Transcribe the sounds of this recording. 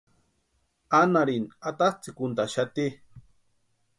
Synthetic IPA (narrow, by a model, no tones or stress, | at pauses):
anaɾinat̪at͡sikunt̪aʃat̪i